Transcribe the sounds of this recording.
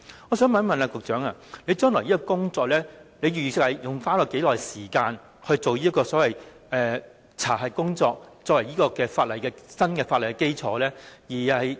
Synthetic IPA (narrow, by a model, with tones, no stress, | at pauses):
ɔː˨˧sœː˨˥ŋmɐ˨˥nmɐ˨naː˧kʊ˨k̚t͡ʃœː˨˥ŋaː˧nle˨˧jt͡ʃœː˥ŋlɔː˨˩jiː˥kɔ˧kʊ˥ŋt͡sɔː˧k̚lɛː˥le˨˧jyː˨˩y˨sɪ˧k̚hɐ˨jjʊ˨˩ŋfaː˥nlɔː˨˩ke˨˥jlɔː˨˩jsiː˨˩kaː˧n | hɵ˧ɥt͡so˨wjiː˥kːɔː˧sɔː˨˥wɐ˨j | ʔɛː˨˧ | t͡sʰa̰ː˨˩ɦɐ˨˩kʊ˥ŋt͡sɔː˧k̚t͡sɔː˧kwɐ˨˩jiː˥kɔː˧kɛː˧faː˧t̚lɐ˨˩jkɛː˧sɐ˥nkɛː˧faː˧t̚lɐ˩jkɛː˧˥ke˥jt͡sʰɔː˨˥lɛː˥jiː˨˩hɐ˨j